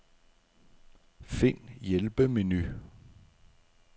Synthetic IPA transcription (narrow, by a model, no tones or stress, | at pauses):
fe̝n̰jelb̥əmeny